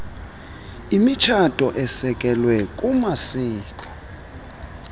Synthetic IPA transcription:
imit͡ʃʰatʼɔʔɛsɛkʼɛlwɛkʼumasiːkʼɔ̥

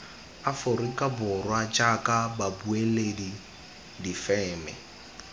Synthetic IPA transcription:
afʊrikʼabʊrwat͡ʃʼakʼababueledi | difɛːmɛ

